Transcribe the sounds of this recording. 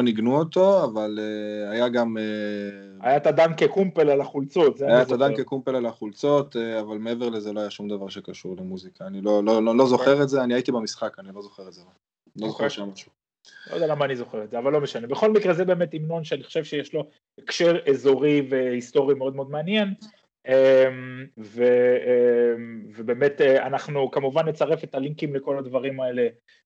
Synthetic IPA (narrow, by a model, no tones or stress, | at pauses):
oniɡnuot̪o̞avaleajaɡame | ajat̪ad̪ankekumpelalaχult͡so̞t̪zeajaatad̪ankekumpelalaχult͡so̞t̪eavalmee̞veʁle̞zeloajaʃumd̪avaʁʃekaʃuʁlemuzikaːnilo̞lololo̞zo̞χe̞ʁetzeaniait̪ibamisχakanilo̞zo̞χeʁetzela | lozoeʃamaʃu̥ | lo̰d̪alamaːnizo̞χe̞ʁetzeavalːo̞meʃane̞beχo̞lmikʁezebe̞ːmet̪imno̞nʃeaniχo̥ʃe̞vʃejeʃlo̞ | ekʃeʁezo̞ʁive̞hist̪o̞ʁimeo̞d̪meo̞d̪meanje̞n | emve | mvebe̞ːmet̪ea̰naχnukamuvanle̞t͡saʁefe̞t̪aliŋkimleko̞lad̪vaʁimaele̞